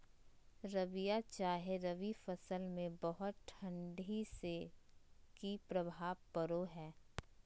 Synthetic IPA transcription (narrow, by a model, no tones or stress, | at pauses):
ɾɐʋijat͡ʃaːɦeɾɐʋifɐsəlmẽbɐɦʊt̪̚ʈʰɐ̃ɳɖise | kipɾɐbʱaːʋpəɾoɦɛː